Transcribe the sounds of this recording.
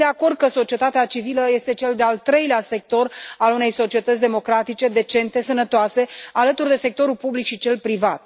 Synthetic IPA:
d̪eako̞rd̪̚kəso̞t͡ʃie̞t̪at̪eat͡ʃiviləje̞st̪e̞t͡ʃe̞ld̪e̞alt̪ɾe̞jlease̞k̚t̪o̞ralune̞jso̞t͡ʃie̞t̪ət̪s̬ʲd̪e̞mo̞kɾat̪it͡ʃe̞d̪e̞t͡ʃe̞nt̪e̞sənət̪oase̞alət̪urd̪e̞se̞k̚t̪o̞ɾulpublikʃit͡ʃe̞lpɾivat̪̚

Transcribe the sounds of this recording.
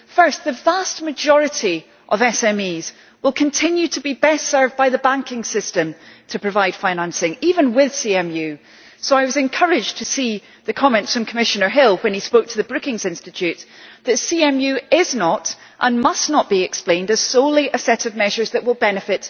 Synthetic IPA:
fɜ˞sðəvast̚mɨd͡ʒɔɹɨʔi | ʔəvɛsɛ̃miz̥ | wɪlˠkʰə̃ntʰɪ̃njʉtʰəbibɛstɜ˞vbaɪðəbãŋkɪ̃ŋsɪstə̃mtʰəpʰɹ̥ɨvaɪd̥fãɪ̃nãnsɪ̃ŋivə̃nwɪð̥siɛ̃mjʉ | soaɪwʌzɨ̃nkʰɜɹɪd͡ʒtʰɨsi | ðɨkʰɒmɛ̃ntsfɹə̃mkʰəmɪʃənə˞ɦɪlˠwə̃nispoʊk̚tʰəðəbɹʉkɪ̃ŋzɪ̃nstɨt͡ʃʉtðɨtsiɛ̃mjʉɪznəʔ | ʔə̰̃nmʌsnəʔ̚b̥iɪksplˠẽndɨz̥solˠiʔəsɛɾʔəvmɛʒə˞zðəʔwɪlˠbɛnɨfɪʔ

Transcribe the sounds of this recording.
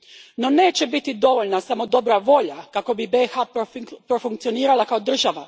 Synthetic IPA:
no̞ne̞ːt͡ɕe̞bit̪id̪o̞ʋo̞ʎnasamo̞d̪o̞bɾaʋo̞ʎakako̞bibexaːppɾo̞fuŋkt̪sio̞niːɾalˠakaod̪r̩ʒaʋa

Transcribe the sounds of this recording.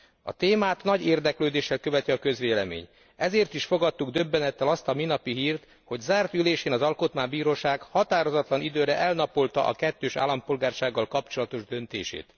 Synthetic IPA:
ɒ̰t̪eːmaːt̪nɒɟeːrd̪ɛkløːd̪eːʃːɛlkøvɛt̪iɒkø̞zʋeːlɛmḛːɲ | ɛzeːrt̪iʃfo̞ɡɒt̪ːuɡd̪ø̞bːɛnɛt̪ːɛlɒst̪ɒminɒpiɦiːrt̪ | ho̞ɟzaːrt̪yleːʃeːnɒzɒlko̞t̪maːbiːɾoːʃaːɡhɒt̪aːɾo̞zɒt̪lɒnid̪øːɾɛʔɛlnɒpolt̪ɒ̰ʔɒ̰kɛt̪ːøːʃa̰ːlːɒmpo̞lɡaːrʃaːɡːɒlkɒpt͡ʃo̞lɒt̪o̞ʒd̪ø̞nt̪ḛːʃḛːt̪

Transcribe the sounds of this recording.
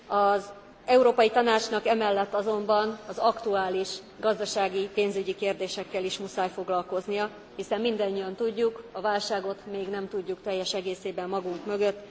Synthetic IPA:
ɒz | ɛuɾoːpɒjit̪ɒnaːt͡ʃnɒkɛmɛlːɛt̪ːɒzo̞mbɒnɒzɒkt̪uaːliʃ | ɡɒzd̪ɒʃaːɡipeːnzyɟikeːrd̪eːʃɛkːɛliʃmusaːjfo̞ɡlɒlko̞znijɒ | hisɛmːind̪ɛɲːijɒnt̪uɟːukɒvaːlʃaːɡo̞t̪meːɡnɛmt̪uɟːukt̪ɛjːɛʃɛɡeːseːbɛmːɒɡuŋkmø̞ɡø̞t̪ː

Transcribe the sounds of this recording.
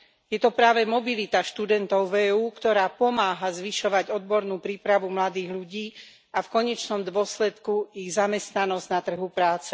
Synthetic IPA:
jɛt̪ɔpɾaːʋɛmɔbilit̪aʃt̪ud̪ɛnt̪ɔʊvɛːuːkt̪ɔɾaːpɔmaːɦazʋiʃɔʋaɟɔd̪bɔɾnuːpɾiːpɾaʋumlad̪iːɣʎuɟiː | afkɔɲɛt͡ʃnɔmd̪ʊɔslɛt̪kuiɣzamɛst̪nanɔzɟnat̪r̩ɦupɾaːt͡sɛ

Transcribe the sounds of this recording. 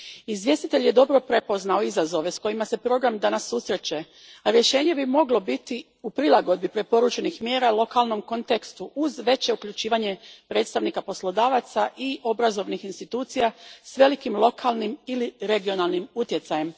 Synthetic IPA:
izʋje̞st̪it̪e̞ʎje̞d̪o̞bɾo̞pɾe̞po̞znao̞izazo̞ʋe̞sko̞jimase̞pɾo̞ɡɾamd̪anasːusɾe̞t͡ɕe̞ | aɾje̞ʃe̞ːɲe̞bimo̞ɡlo̞bit̪i | upɾilˠaɡo̞d̪bipɾe̞po̞ɾuːt͡ʃe̞nixmje̞ːɾalˠo̞kalˠno̞mko̞nt̪ekst̪uʔuzʋe̞t͡ɕe̞ukʎut͡ɕiːʋaɲe̞pɾe̞ːt̪st̪aʋnikapo̞slˠo̞d̪aːʋat̪saʔio̞bɾazo̞ʋnixinst̪it̪uːt̪sijasʋe̞likimlˠo̞kʰalˠnimiliɾe̞ɡio̞nalˠnimut̪je̞t̪sajem

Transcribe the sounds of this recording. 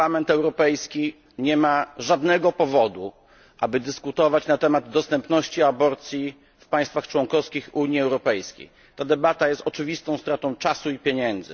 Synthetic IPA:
lamɛnt̪ɛwɾɔpɛjskʲi | ɲɛmaʐad̪nɛɡɔpɔvɔd̪u | ʔabɘd̪ɘskut̪ɔvat͡ɕnat̪ɛmad̪ːɔst̪ɛmpnɔɕt͡ɕiabɔɾt̪sʲji | fpaj̃st̪faxt͡ʂwɔŋkɔfskʲixuɲiɛwɾɔpɛjskʲḛj | t̪ad̪ɛbat̪ajɛst̪ɔt͡ʂɘvʲist̪ɔ̃w̃st̪ɾat̪ɔ̃w̃t͡ʂasuipʲjeɲɛnd̪zɘ

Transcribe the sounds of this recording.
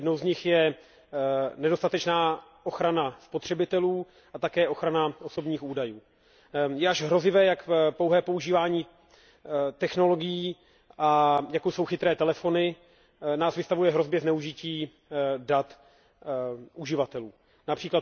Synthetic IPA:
jɛdnowzɲɪxjɛ | nɛdo̞st̪at̪ɛt͡ʃnaːʔoxɾanaspo̞t̪r̝̥ɛbɪt̪ɛluː | ʔat̪akɛːʔo̞xɾanao̞so̞bɲiːxuːdajuː | jɛaʒɦɾo̞zɪvɛːjakpo̞wɦɛːpouʒiːvaːɲiː | t̪ɛxno̞lo̞ɡɪjiː | ʔajakowso̞wxɪt̪ɾɛːt̪ɛlɛfo̞nɪ | naːsvɪst̪avujɛɦɾo̞zbjɛznɛuʒɪciː | dat̪ | ʔuʒɪvat̪ɛluː | napr̥iːklat̪

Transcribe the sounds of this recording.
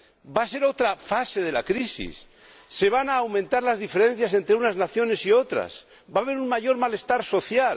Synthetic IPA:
base̞ɾo̞t̪ɾafase̞ð̞e̞lakɾisḭsː | e̞β̞anaːwmẽnt̪aɾlazðife̞ɾe̞nθjase̞nt̪ɾe̞unaznaθjo̞ne̞sio̞t̪ɾa̰s | baβ̞e̞ɾunmaʝo̞ɾmale̞st̪aɾso̞θjal

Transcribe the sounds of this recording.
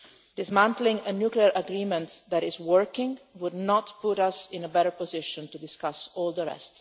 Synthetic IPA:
d̥̪ɪzmæ̃ntlɪ̃ŋənjukliəɹʔəɡɾiːmɛ̃nt̪d̪æɾɪzwəɹkɪ̃ŋwʊdnɔt̪pʊɾasɪ̃nəbɛɾəɹpɔzɪʃɔ̃nt̪udɪskasɔːlˠd̪əɹɛ̰st

